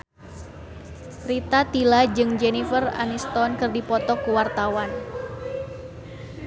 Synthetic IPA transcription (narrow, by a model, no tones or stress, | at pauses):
rit̪at̪ilad͡ʒɨŋd͡ʒenifəra̰nist̪ɔnkɨrdipɔt̪ɔkuwart̪awan